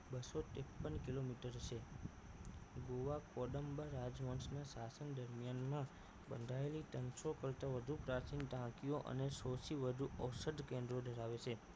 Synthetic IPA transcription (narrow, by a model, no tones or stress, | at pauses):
bəsot̪epːənkilomiʈəɾt͡ʃʰe | ɡoʋakoɖəmbəɾad͡ʒʋə̃nsnasasənd̪əɾmijanmã | bənd̪ʱaelit̪ənsokəlt̪aʋəd̪ʱupɾat͡ʃinʈ̪ãkioʔə̰nesɔt͡ʃʰiʋəd̪ʱuʔəwsəd̪ʱkẽnd̪ɾod̪ʱəɾaʋet͡ʃʰe